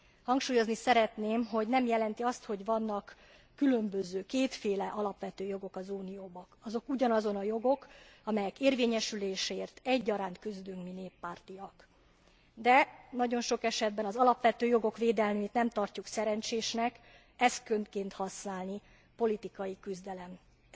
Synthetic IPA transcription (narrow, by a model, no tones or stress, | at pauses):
hɒŋkʃuːjo̞znisɛɾɛt̪neːmɦo̞ɟnɛmjɛlɛnt̪iɒst̪ho̞ɟʋɒnːɒkː | ylø̞mbøzøːkeːt̪feːlɛʔɒlɒpʋɛt̪øːjo̞ɡo̞kɒzuːnijoːbɒkɒzo̞kuɟɒnɒzo̞nɒjo̞ɡo̞kɒmɛjɛkeːrveːɲɛʃyleːʃeːrt̪ɛɟːɒɾaːnt̪kyzd̪yŋkmineːpːaːrt̪iɒk | d̪ɛnɒɟo̞nʃo̞kɛʃɛd̪bɛnɒzɒlɒpʋɛt̪øːjo̞ɡo̞kʋeːd̪ɛlnyt̪nɛmt̪ɒrcuksɛɾɛnt͡ʃeːʃnɛk | ɛst̪kønt̪keːnt̪hɒsnaːlni | po̞lit̪ikɒjikyzd̪ɛlɛm